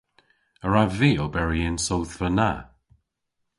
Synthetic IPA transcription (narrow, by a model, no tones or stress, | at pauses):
əɹaviːɔbɛɹiɪnsowθvəna